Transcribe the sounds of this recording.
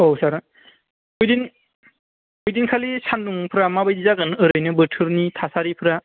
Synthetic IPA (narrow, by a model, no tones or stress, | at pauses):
osaɾ | ujdin | ujdinkʰalisʰanduŋpʰɯɾamabajdizaɡɯnɯɾɯjnɯbɯtʰɯɾnitʰasaɾipʰɯɾa